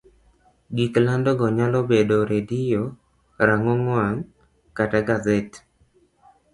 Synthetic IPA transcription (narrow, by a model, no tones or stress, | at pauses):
ɡiklandɔɡɔɲalɔbedoɾedijo | ɾaŋɔŋwan | kataɡazet